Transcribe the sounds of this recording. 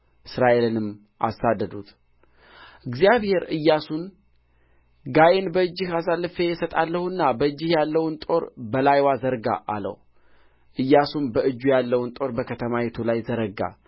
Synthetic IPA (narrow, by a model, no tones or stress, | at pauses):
ɨsɾaʔe̞lɨnɨm | ʔa̰sːad̪ːəd̪ut̪ʰ | ʔɨɡzijaβhe̞ɾɨjːasun | ɡajenbəɨd͡ʒːɪhas̬alːɨfejɛsət̪ʼalːəhuɨnːabəɨd͡ʒːɪhjalːəwnt̪ʼo̞ɾbəlajwazəɾɡa̰ʔa̰lə̰w | ʔɨjːasunbəʔɨd͡ʒːujalːəwunt̪ʼo̞ɾbəkʰət̪ʰəmajɛt̪ʰulajzəɾəɡa̰